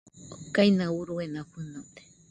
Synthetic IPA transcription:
kajnauɾuenaɸunot̪e̥

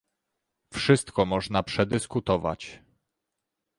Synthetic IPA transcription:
fʂɘst̪kɔmɔʐnapʂɛd̪ɘskut̪ɔva̰t͡ɕ

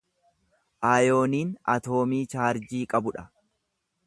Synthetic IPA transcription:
ʔaːjo̞ːniːnɐ̰t̪o̞ːmiːt͡ʃaːɾd͡ʒiːkʼɐbʊᶑɐ

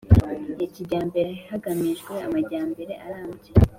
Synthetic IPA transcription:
jeciɟaːmbe̞ɾehaɡamiʒɡwe̞amaɟaːmbe̞ɾe̞ʔa̰ɾaːmɟe

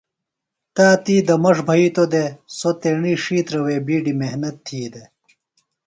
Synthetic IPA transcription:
t̪aːt̪iːd̪ɐmɐʂbʱɐit̪od̪esot̪eɳiʂiːt̪ɾɐweːbiːɖimehnɐt̪ʰːiːd̪e

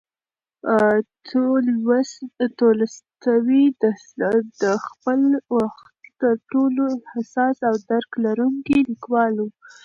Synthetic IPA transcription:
t̪ʰolwast̪oləst̪awid̪ə | d̪əxpəlwaxt̪t̪əɾʈolohasɑsawd̪aɾklaɾuŋkilikwɑlu

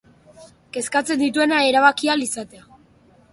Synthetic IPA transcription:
ke̞skat͡se̞nd̪it̪ue̞naeɾaβ̞akialisat̪ea

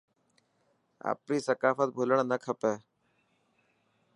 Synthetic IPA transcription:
a̰ːpɾiːsəkaːfət̪̚bʱuləɳ̃nəkʰəpɛː

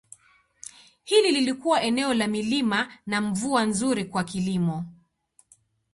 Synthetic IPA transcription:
hilililikuwaʔɛnɛɔlamilimanaɱvuanzuɾikwakilimɔ

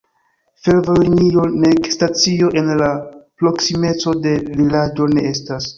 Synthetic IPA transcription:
fe̞lvoliniɾo̞ne̞kstat͡sio̞ʔe̞nlapɾo̞ksime̞t͡so̞de̞vilad͡ʒo̞ne̞ʔestas

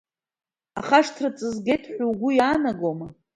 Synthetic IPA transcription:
a̰χaʂtʰrat͡sʼɨzɡejtʰʼħʷuwɡʷʊjaːnaɡoma

